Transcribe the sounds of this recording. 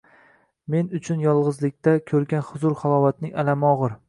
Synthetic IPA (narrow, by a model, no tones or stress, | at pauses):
me̞nʊt͡ʃʰʊnjɒlˠʁɨzlɪk̚ʲt̪ʰakʲʰɵɾɡʲanχʊzʊɾχalˠɒvat̪̚nɪŋalamɒʁɨɾ